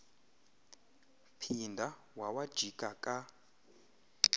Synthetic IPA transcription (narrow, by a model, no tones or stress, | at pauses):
pʰindʱa | wawad̥ʒ̥ʱikʼakʼa